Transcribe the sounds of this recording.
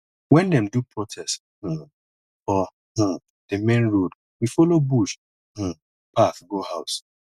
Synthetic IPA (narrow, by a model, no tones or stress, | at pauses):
wɛ̃ndɛmdupʰɹɔtʰɛst̩ | fɔ̃ | d̥emẽnɹod | wifɔlobuʃ | h̩ | paθɡohaʊs